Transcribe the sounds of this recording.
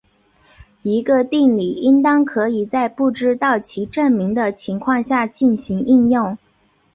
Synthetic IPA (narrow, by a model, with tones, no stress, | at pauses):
i˧˥ɡə˧t̪i˥˩nli˨˩i˥ŋt̪ɑ˥ŋkʰɤ˧˥i˨˩t͡sa˥˧ɪpu˥˩ʈ͡ʂɻ̩˥t̪ɑ˥˩ʊt͡ɕʰi˧˥ʈ͡ʂə˥˩nmi˧˥ŋd̪ə˧t͡ɕʰi˧˥ŋkʰwɑ˥˧ŋɕja˥˧t͡ɕi˥˩nɕi˧˥ŋi˥˧njʊ˥˩ŋ